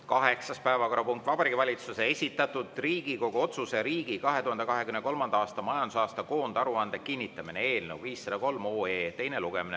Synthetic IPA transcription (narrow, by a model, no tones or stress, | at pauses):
kɑɦe̞ksɑspæevɑko̞ɾɑpuŋkt̪vɑbɑɾiːɡivɑlʲit̪suse̞e̞sʲit̪ːˑɑt̪ːˑud̪̥riːɡiko̞ɡ̥uo̞t̪suse̞ɾiːɡ̥ikɑɦe̞t̪uhɑnd̪ekɑɦe̞kymneko̞lmɑnd̪ɑɑːst̪ɑmɑjɑnd̪̥usɑːst̪ɑko̞ːnd̪ɑɾuɑnd̪̥ekinʲːit̪ːˑɑminee̞ːlnḛwviːsːed̪̥ɑko̞lmoːeːt̪ejneluɡ̥emine